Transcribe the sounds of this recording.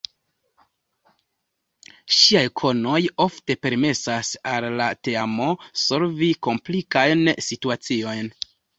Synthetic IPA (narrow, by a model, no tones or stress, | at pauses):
ʃiajkʰo̞no̞jo̞fte̞pe̞ɾme̞sasalːate̞amo̞so̞ɾviko̞mplikajnsituat͡sio̞jn